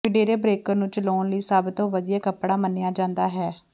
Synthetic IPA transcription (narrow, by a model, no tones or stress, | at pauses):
ɪɖeːɾeːbɾeːkənũːt͡ʃəloːnləiːsəbt̪õːʋəd̪ijaːkəpɽaːmənːɪjaːd͡ʒãːnd̪aːɦɛː